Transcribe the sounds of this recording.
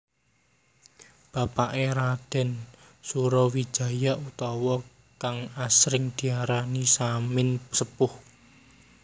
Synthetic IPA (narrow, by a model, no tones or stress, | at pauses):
b̥a̤paʔeɾad̪̥ɛ̤n | suɾɔwi̥ʒ̥a̤jaʔut̪ɔwɔ | kaŋasɾɪŋd̪̥i̤aɾanisamɪnsəpʊh